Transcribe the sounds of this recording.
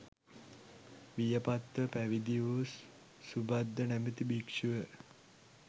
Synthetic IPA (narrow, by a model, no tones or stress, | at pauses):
ʋijəpat̪ʋəpæʋid̪iosː | ubad̪ːənæmət̪ibikʂuʋə